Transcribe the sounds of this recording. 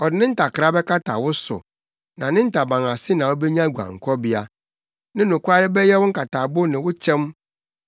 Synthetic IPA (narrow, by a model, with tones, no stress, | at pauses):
ɔ˨dɪ˨nɪ̃˦n̩˦tʰa˨kʰɾa˦bɛ˦kʰa˦tʰa̰˨wʊ˦sʊ̰˨ | nã˨nɪ̃˦n̩˦tʰa˨bã˨ŋa˨sɪ˦nã˨ɔ˦bɛ˦ɲã˦˨ɡʷu˨ã̰˨ŋ̩˨kʰɔ˦bi˦a˦ | nɪ̃˦nʊ̃˨kʷʊ˦a˦ɾɪ˦bɛ˦jɛ˦wʊ̃˦ŋ̩˦kʰa˨tʰa˨bʊ˦nɪ̃˨wʊ˦t͡ɕʰɛ̃˦m